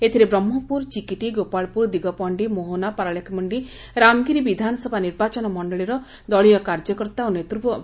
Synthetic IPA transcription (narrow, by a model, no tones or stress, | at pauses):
et̪ʰiɾebɾɔmːɔpuɾt͡ʃikiʈiɡopaɭpuɾd̪iɡɔpɔɳɖimoɦonapaɾaɭekʰɔmɔɳɖi | ɾamɡiɾibid̪ʱanɔsɔbʱaniɾbat͡ʃɔnɔmɔɳɖɔɭiɾɔ | d̪ɔɭijɔkaɾd͡ʒɔkɔɾt̪aonet̪ɾupɔ